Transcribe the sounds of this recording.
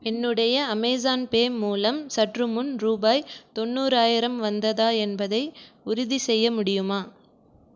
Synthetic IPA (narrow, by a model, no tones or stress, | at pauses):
ɛnːɯɽɐjɐɐmɐɪzaːnpeːmuːlɐmsɐʈrɯmɯnɾuːbaːjt̪ɔnːuːɾaːjɪɾɐmʋɐnd̪ɐðaːɛnbɐðɐɪʊɾʊðisɛjːɐmʊɽɪjɯmaː